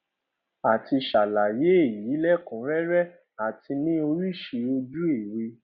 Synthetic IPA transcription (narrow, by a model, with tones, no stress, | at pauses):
a˨ti˧ʃa˨la˨je˨˦e˦˨ji˨˦lɛ˦kũ˨˦ɾɛ˦ɾɛ˦ | a˨tʰi˧nĩ˦o˧ɾi˦ʃi˧˦o˧d͡ʒu˦e˦˨ɾe˧